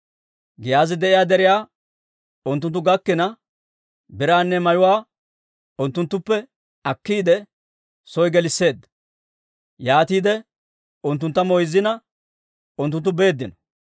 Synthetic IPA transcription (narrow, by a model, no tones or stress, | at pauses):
ɡɪjaːzɪd̪ɛʔɪjaːd̪ɛɾɪjaː | ʊnt̪̬ːʊnt̪̬ːʊɡɐkːɪnɐ | bɪɾaːnːɛmɐjʊwaː | ʊnt̪ːʊnt̪ːʊpːɛ | ɐkːiːd̪ɛ | sɔjɡɛlɪsːe̞ːd̪ːɐ | jaːt̪iːd̪ɛ | ʊnt̪ːʊnt̪ːɐmɔjzːɪnɐ | ʊnt̪ːʊnt̪̬ːʊbe̞ːd̪ːɪnɔ